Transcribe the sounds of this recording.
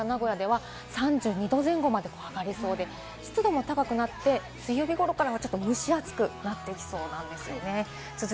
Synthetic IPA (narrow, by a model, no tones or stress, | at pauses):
anaɡo̞jad̪e̞β̞a | sãɲ̟d͡ʑɨːɲ̟id̪o̞ːzẽ̞ŋɡo̞mad̪e̞ko̞ːaɡaɾʲiso̞ːd̪e̞ | ɕi̥t͡sɨd̪o̞mo̞t̪akakɯ̟nat̪ːe̞ | sɨijo̞ːbʲiɡo̞ɾo̞kaɾaβat͡ɕo̞t̪ːo̞mɯ̟ɕiat͡sɨ̥kɯ̟nat̪ːe̞kʲi̥so̞ːnãnd̪e̞sɨjo̞ne̞ | sɨz